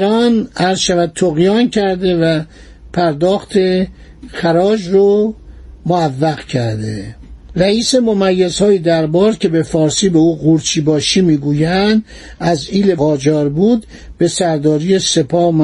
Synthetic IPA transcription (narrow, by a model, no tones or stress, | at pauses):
ɾɒːnæɾz̥ʃævæd̪̚t̪ʰoɣjɒːncʰæɾd̪e̞væ | pʰæɾd̪ɒːxt̪ʰe | xæɾɒːd͡ʒro | moævːæɣcʰæɾd̪ḛræiːse̞momæjːezhɒːjid̪æɾbɒːɾcʰe̞be̞fɒːɾsiːbeuːɣuɾt͡ʃʰiːbɒːʃiːmiːɡuːjænd̪ | æziːleɒːd͡ʒɒːɾbuːd̪ | b̥e̞sæɾd̪ɒːɾijese̞pʰɒːm